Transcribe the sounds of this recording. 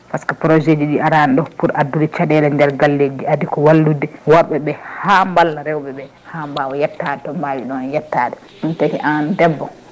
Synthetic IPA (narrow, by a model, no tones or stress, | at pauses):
paskɔpɾɔd͡ʒed͡ʒiɗiaɾanɗɔpuɾʔadːudɛt͡ʃaɗɛlaɲdɛɾɡalːed͡ʒiadikɔwalːudɛwaɾɓɛɓɛhambalːaɾɛwɓɛɓɛ | hambawɔjɛtːadɛtɔmbawiɗɔnjɛtːadɛ | ɗuntakiʔandɛbːɔ